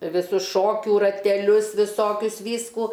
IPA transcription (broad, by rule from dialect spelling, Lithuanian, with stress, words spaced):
ʋʲɪˈsʊs ˈʃoːkʲuː rɐtʲɛˈlʲʊs ʋʲɪˈsoːkʲʊs ˈʋʲiːskuː